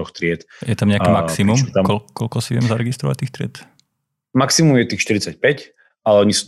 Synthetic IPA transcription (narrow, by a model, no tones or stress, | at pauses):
ɔxt̪ɾɪɛt̪jɛt̪amɲɛakɛmaksimumkɔkːɔlkɔsiʋɛmzaɾɛɡist̪ɾɔʋa̰c̚t̪iːxt̪ɾɪɛt̪ | maksimumjɛt̪iːxʃt̪iɾit͡sac̚pɛc | alɛɔɲisu̥